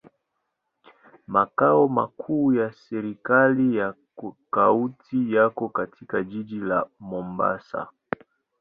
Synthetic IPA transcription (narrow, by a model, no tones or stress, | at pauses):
makaɔma̰kʰuːjasɛɾikalija | kautʰijakɔkatʰikad͡ʒid͡ʒilamɔmba̰sa̰